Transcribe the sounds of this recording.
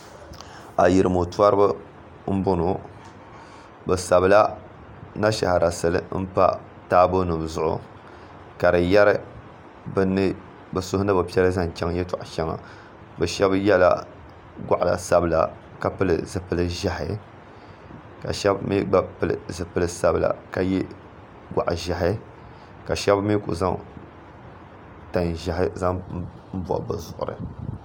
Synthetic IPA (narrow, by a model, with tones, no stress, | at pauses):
a̰˨ji˨ɾɨ˨mo˨twa˦ɾɨ˦bɨ˦ | m̩˦bʊ˦nu˨ | bɨ˨sa˨bla˦ | na˦ʃa̰˨ha˨ɾa˨sɨ˦lɨ̰˦m̩˦pa̰˦ | taː˦bo˦nɨ˨m˨zʊ˨ʔʊ̰˦˨ | ka˨ɾɨ˨jɛ˦ɾɨ˦ | bn˦ | bɨ˨sʊ˦hʊ˦nɨ˦bɨ˨pi˦ɛ˦ɾɨ˦za˦˨n˨t͡ʃa˦ŋjɛ˦ta˨ʔʃɛ˦ŋa̰˨ | bɨ˨ʃɛ˦bjɛ˦la̰˦ | ɡʷa˨ʔla̰˨sa˨bla̰˨ | ka˨pɨ˦lɨ˨zɨ˨pɨ˨lɨ˦ʒa˨hɪ̰˨ | ka̰˨ʃɛ˦bmḭ˦ɡ͡ba˦pɨ˦lɨ̰˨zɨ˨pɨ˨lɨ˨sa˦˨bɨ˨la̰˨ka˦jɛ˦ | ɡʷa̰˨ʔʒa˨ɦɪ˦ | ka˨ʃɛ˦bmi˦kṵ˨za˦ŋ | ta˨nʒa˨ɦɪ˦za˦ŋ | m̩˦bɔ̰˨bɨ˨zʊ˨ʔʊ̰˨ɾɨ̰˨